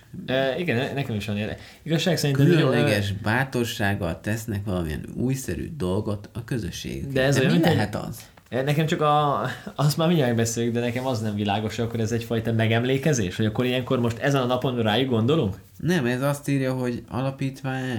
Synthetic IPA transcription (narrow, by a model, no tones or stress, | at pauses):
øiɡɛnnɛkɛmiʃʋɒneːɛ̰ | iɡɒʃːaːksɛɾink̪ɛylønlːɛɡɛʒbaːt̪o̞rʃaːɡːɒ̰lt̪ɛsnɛkʋɒlɒmḭɛ̰nuːjsɛɾy̰d̪o̞lɡo̞t̪ɒkø̞zøʃːḛːɡy̰kd̪ɛɛzojmminloɦɛt̪ɒ̰z̥ | nɛkɛmt͡ʃɒkɒɒst̪maːrmiɲɟmɛɡ̚bɛseːljyɡd̪ɛnɛkɛmɒznɛɱvilaːɡo̞ʃɒkːoɾɛzɛcfɒjt̪ɒmɛɡɛmleːkɛzeːʃhoɟɒkːoɾijɛŋkormo̞ʃt̪ɛzɛnɒnɒpo̞nraːjuɡɡo̞nd̪o̞luŋk | nɛmɛzɒst̪iːɾjɒɦo̞ɟɒ̰lɒpiːt̪ʋaːɲ